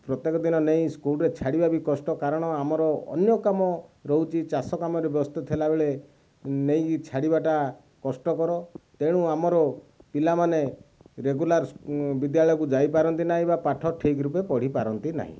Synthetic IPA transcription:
pɾɔt̪jekɔd̪inɔnej̃skulɾet͡ʃʰaɽibabikɔsʈɔkaɾɔɽ̃ɔamɔɾɔɔ̰njɔkamɔɾɔɦut͡ʃʰit͡ʃasɔkamɔɾebjɔst̪ɔt̪ʰelabeɭe | nej̃t͡ʃʰaɽibaʈa | kɔsʈɔkɔɾɔt̪eɽ̃ũamɔɾɔpilamaneɾeɡulaɾbid̪jaɭɔjɔkud͡ʒajpaɾɔnt̪inaɦĩbapaʈʰɔʈʰikɾupepɔɽ̤ipaɾɔnt̪ina̰ɦḭ̃

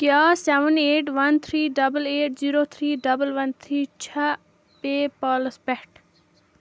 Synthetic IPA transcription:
kjaːsɛʋəneːʈʋɐnt̪ʰɾiːɖɐbəleːʈ̚ziːɾoːt̪ʰɾiːɖɐbəlʋɐnt̪ʰɾiːt͡ʃʰɐ | peːpɔːləspɛʈ

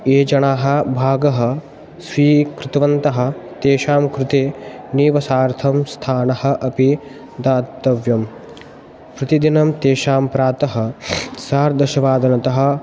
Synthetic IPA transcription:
eːd͡ʒɐɳaːɦɐ̆bʱaːɡɐɦɐ̆ | sʋiːkɾɪt̪ɐʋɐnt̪ɐɦɐ̆t̪eːʃaːmkɾɪt̪eːniːʋɐsaːɾt̪ʰɐmst̪ʰaːnɐhɐ̆ʔɐpi | d̪aːt̪ːɐʋjɐm | pɾɪt̪id̪inɐmt̪eːʃaːmpɾaːt̪ɐɦɐ̆saːɾd̪ɐʃɐʋaːd̪ɐnɐt̪ɐɦɐ̆

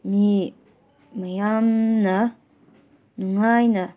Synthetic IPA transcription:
mi | majamna | nuŋajna

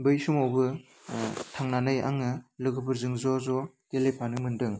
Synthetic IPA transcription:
bɯjsumowbɯ | tʰaŋnanɯja̰ŋɯlɯɡɯbʰɯɾzɯŋzɔzɔ | kelejpʰanɯŋmɯndɯŋ

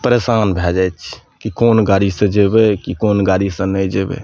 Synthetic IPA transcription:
pəɾesanbʱɛd͡ʒat͡ʃʰkikonɡaɾisə̃d͡ʒebekikonɡaɾisə̃nəd͡ʒebḛ

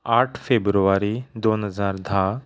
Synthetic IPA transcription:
aːʈʰfʰeːbɾuʋaːɾid̪oːnɦəzaːɾd̪ʱaː

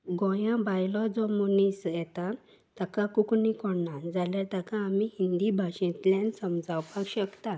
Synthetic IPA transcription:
ɡɔ̃jãbajlɔd͡zɔmonisjɛt̪a | t̪akakuknikɔɽnand͡zaljat̪akãːmihind̪ibʱaɕɛ̃t̪lɛ̃nsəmd͡zawpakɕəkt̪a

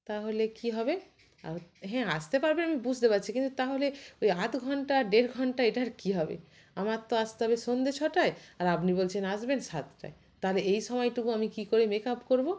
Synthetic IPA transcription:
t̪aɦolekiɦɔbe | a̰ɦɛ̃ast̪epaɾbenamibud͡ʑʱd̪epatːɕʰikint̪ut̪aɦoleojat̪ɡʱɔɳʈaɖeɾɡʱɔɳʈaeʈaɾkiɦɔbḛ | amat̪oast̪eɦɔbeʃond̪et͡ɕʰɔʈaeaɾapnibolt͡ɕʰenaʃbenʃat̪ʈa̰e | t̪aɦoleejʃɔmɔjʈuɡoamikikoɾemekapkoɾbo

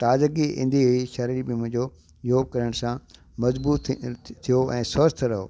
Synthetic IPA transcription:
t̪aːzk̬iɪ̰̃nd̪ʱiɦiʃɐɾiɾbɪmʊ̃ɦɪ̃ɲd͡ʑo | jjoːkɐɾəɽ̃sã | mɐzbuːt̪t̪ʰːijoʔɛ̃ːsʋɐst̪ʰɾɐɦoː

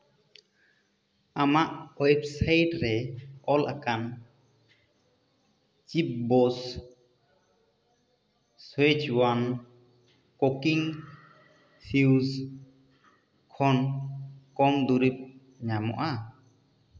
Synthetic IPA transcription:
amaʔwɔjp̚sajʈɾɛɔlʔa̰kan | t͡ʃip̚bɔs | swet͡ʃwan | kɔkiŋ | siwz | kʰɔn | kɔŋd̪uɾip̚ | ɲamɔ̰ʔa

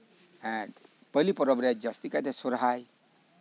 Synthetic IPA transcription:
ɛ̃ | pəlipɔɾɔbɾad͡ʒast̪ikat̪esoɾɦaj

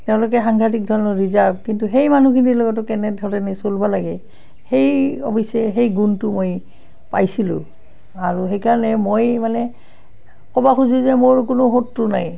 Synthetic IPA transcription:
tɛʊ̃lok̬ɛxaŋɡʱat̬ik̚dʱɔɹɔnɔɹizaɹb̚kintuxejmanukʰinilɔɡɔt̬ʊkɛnɛdʱɔɹɛnɛsolbɔlaɡɛ | hejɔ̰pisɛɦejɡuntʊmoj | pa̰jsilʊ̰̃ | aɹuxejkaɹɔnɛmojmanɛ | kɔbaxuzuzɛmoɹkʊnʊɦotːɹʊna̰j

